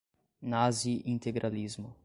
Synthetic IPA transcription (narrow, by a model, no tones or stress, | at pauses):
naziĩnt̪eɡɾʔalizmʊ